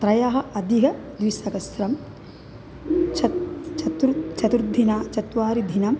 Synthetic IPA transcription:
t̪ɾɐjaːɦɐ̆ʔɐd̪iɦɐd̪ʋisɐkɐsɾɐm | t͡ʃt͡ʃɐt̪ɾt͡ʃɐt̪uɾd̪ʱːinaːt͡ʃɐt̪ʋaːɾid̪ʱinɐm

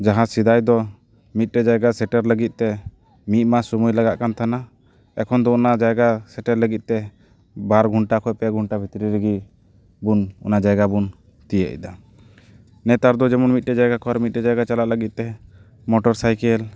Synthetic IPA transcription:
d͡ʒaɦãsid̪ajd̪ɔ | mit̪̚ˀʈɛd͡ʒajɡasɛʈɛɾləɡit̪̚ˀt̪ɛ | mit̪̚ˀmasumujlaɡaʔkant̪ʰana | ɛkʰɔnd̪ɔɔnad͡ʒajɡasɛʈɛɾləɡit̪̚t̪ɛ | baɾɡʱuɳʈakʰɔʔpɛɡʱuɳʈabʱit̪ɾiɾiɡi | bunɔ̰nad͡ʒajɡabun | t̪ijə̰ʔḭd̪a | nɛt̪aɾd̪ɔd͡ʒɛmɔnmit̪̚ˀʈɛd͡ʒajɡakʰɔaɾmit̪̚ʈɛd͡ʒajɡat͡ʃalaʔləɡit̪̚t̪ɛ | mɔʈɔɾsajkɛl

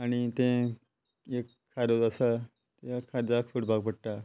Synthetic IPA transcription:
aɽ̃it̪ẽ | ekʰːaɾod͡zəsa | t̪ekʰːaɾd͡zaksuɽbaɡpəɽʈa

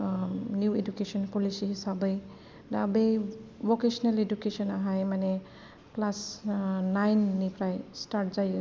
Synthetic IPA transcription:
njuedukesɔnpolisiɦisabʌj | daabejbokesnaledukesɔnaɦajmane | plasnajnːipɾajstaɾʈ̚zaj

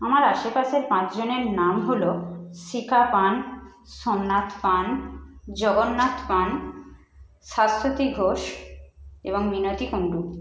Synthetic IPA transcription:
amaɾaʃepaʃeɾpãt͡ɕd͡ʑoneɾnamɦoloʃikapan | sonːat̪pand͡ʑɔɡonːat̪pan | ʃast̪ʰot̪iɡʱoʃ | eboŋminot̪ikoɳɖu

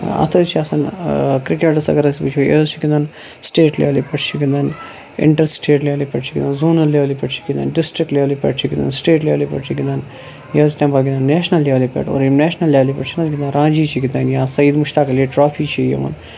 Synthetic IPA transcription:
ɐ̰t̪ʰɐt͡ʃʰiɐsɐnkɾikeʈɐsɐ̰ɡɐɾɐsipit͡ʃʰojḛːzt͡ʃʰikind̪aːn | sʈeːʈlʲḛʋlipʲɐʈt͡ʃʰiɡind̪an | ɪ̰ɳʈɐɾsʈeːʈlʲeːlipʲɛʈt͡ʃʰikind̪nzuːnɐlːeːʋlipɛʈt͡ʃʰi̥kind̪a̰nɖisʈɾik̚ʈlʲeːlipʲḛʈt͡ʃʰiɡind̪a̰nsʈeːʈlʲeːʋlipʲḛʈt͡ʃʰiɡind̪an | jɐːzt̪ʲãːmbɐlɡind̪aːnːeːʃnɐlːeːʋlipʲḛʈo̰ːɾimneːʃnɐlːjaʋlipɐʈt͡ʃʰinɐzɡind̪anɾãːd͡ʒiːt͡ʃʰiɡinɐnjãːsɐjid̪muʃt̪aːkɐljiʈɾaːpʰiːt͡ʃʰijḛʋɐ̰n

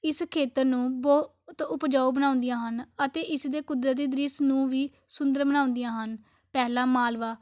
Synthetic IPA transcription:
ɪskʰeːt̪əɾnũːbə | t̪ʊpd͡ʒaːubənãːʊnd̪ijãːɦənət̪eːʔɪsd̪eːkʊd̪ɾəiːd̪ɾɪsnũːʋiː | sʊ̃nd̪əɾbənãːʊ̃nd̪ijãːɦən | pɛːlãːmaːlʋaː

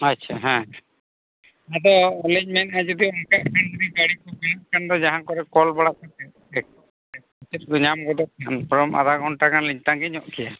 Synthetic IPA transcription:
at͡ʃʰaɦɛ̃ | ad̪ɔɔliɲmɛnad͡ʒɔd̪iɔŋkaʔkʰand͡ʒɔd̪ibaɽikɔɡɔjaʔkʰand̪ɔd͡ʒaɦaŋkɔɾɛkɔlbaɽakat̪ɛ | ɛk | ɛ | it͡ʃɛt̪̚ɡɔɲamɡɔd̪ɔʔ̚kʰanpɔɾɔma̰d̪ʱaɡʱɔɳʈakanliɲt̪aŋɡɛɲɔʔkʰija

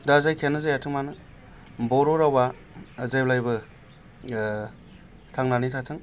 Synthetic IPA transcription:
dazajkʰenɯzajatʰɯŋmanɯ | bɔɾoɾawa | zajblajbɯ | tʰaŋnanitʰatʰɯŋ

